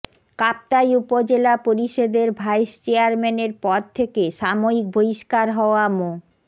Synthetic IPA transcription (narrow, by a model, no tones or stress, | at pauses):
kap̚t̪ajupod͡ʑelapoɾiʃod̪eɾbʱajst͡ɕeaɾmeneɾpɔd̪̚t̪ʰekeʃamoɾik̚bʱoiʃkaɾɦɔoamo